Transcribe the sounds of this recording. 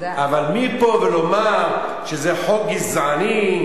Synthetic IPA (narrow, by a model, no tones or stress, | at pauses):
avalmipo̞velo̞maʁ | ʃezeħoɡizʕani